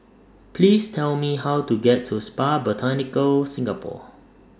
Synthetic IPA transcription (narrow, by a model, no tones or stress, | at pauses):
pʰliːstʰɛlmiɦawtuɡɛtʰːuspabɔtʰanɪkəlsɪ̃ŋɡəpʰɔ̰